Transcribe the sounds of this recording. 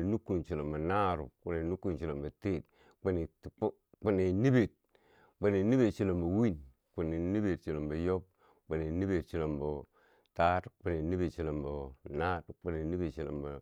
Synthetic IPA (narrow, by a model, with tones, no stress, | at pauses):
nu˦kːu˨nt͡ʃi˨lo˨mba˨na˦ɾṵ˨ku˨ne˨nu˦ku˦˨nt͡ʃi˨lo˨mbə˨te˦˨t̚ | k͡pu˦ni˨˦ | k͡pu˦ni˨ni˦be˨t̚ | k͡pu˨ni˨ni˦be˨tt͡ʃi˦lo˨mbo˨wi˦˨n | k͡pu˨ni˨ni˦be˨t̚t͡ʃi˨lo˨mbə˨jo˦b̚ | k͡pu˨ni˨ni˦be˨t̚t͡ʃi˦lo˨mbo˨ | ta˦tk͡pu˨ni˨ni˦be˨t͡ʃi˨la˨mbo˨na˦tk͡pu˦ni˨ni˦be˨tt͡ʃi˨la̰˨mba˨